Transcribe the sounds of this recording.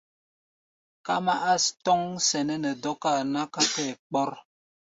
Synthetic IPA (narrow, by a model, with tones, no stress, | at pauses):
ka̰˦ma˦ʔa˦stɔ˦ŋsɛ˨nə˦nə˨dɔ˦ka˦˨na˦ka˦kɛ˦˨k͡pɔ˦ɾ